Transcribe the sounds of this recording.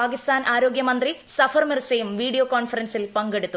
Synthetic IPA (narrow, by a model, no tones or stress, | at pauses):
aːkist̪aːnʔaːɾo̞ːɡjɐmɐnd̪risɐfʰɐrmirsɐjumʋiːɽijoːkoːnfɐɾɐnsilpɐŋɡeɽut̪ːu